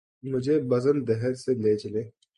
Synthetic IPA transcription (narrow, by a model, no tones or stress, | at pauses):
mʊd͡ʒʱeːbɐzənd̪ɐɦɛɾseleːt͡ʃleː